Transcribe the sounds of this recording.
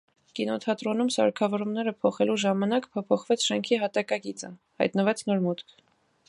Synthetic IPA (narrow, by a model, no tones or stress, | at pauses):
kinɔt̪ʰɑt̪ɾɔnumsɑ̰ɾkʰɑvɔɾumnɛɾəpʰɔχɛluʒɑmɑnɑkpʰɔpʰɔχvɛt͡sʰʃɛŋkʰiɦɑt̪ɑkɑkit͡sə̰ | hɑ̰jt̪nəvɛt͡sʰn̪ɔɾmut̪kʰ